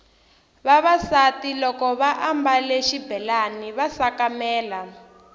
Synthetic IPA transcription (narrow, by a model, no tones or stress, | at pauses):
βaβasatilɔkɔβaʔambaleʃibʱɛlaniβasakamɛːla